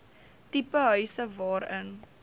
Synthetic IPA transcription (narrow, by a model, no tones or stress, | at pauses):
tipəɦœɥsəvɑːɾən